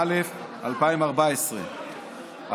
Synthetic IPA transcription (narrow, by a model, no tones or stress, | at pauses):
lef | a̰lpaimaʁbaesʁḛ | a